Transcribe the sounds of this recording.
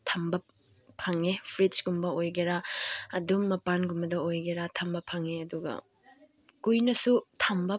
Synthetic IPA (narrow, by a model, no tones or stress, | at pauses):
tʰɐmbɐ | pʰɐŋepʰɾitsɡumbɐojɡeɾaɐdumːɐpanɡumbɐdɐojɡeɾatʰɐmbɐpʰɐŋeɐduɡɐ̰ | kujnɐsutʰɐmbɐ